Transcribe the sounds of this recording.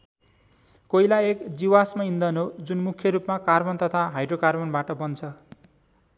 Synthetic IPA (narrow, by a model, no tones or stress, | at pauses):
kʌjlaekd͡ziwasmaind̪ʌnod͡zunmukʰjʌɾupmakarbʌnt̪ʌt̪ʰaɦajɖrokarbʌnbaʈʌbʌnt͡sʰʌ